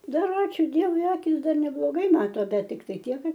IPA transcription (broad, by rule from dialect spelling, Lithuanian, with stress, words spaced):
ˈdɐr ˈɑːt͡ʃʲuː ˈdʲiɛʋʊɪ ˈɑːkʲɪs ˈdɐr nʲɛblˠoːˈɡɐɪ ˈmɑːtoː ˈbʲɛt tʲɪkˈtɐɪ ˈtʲiɛk ˈkɐt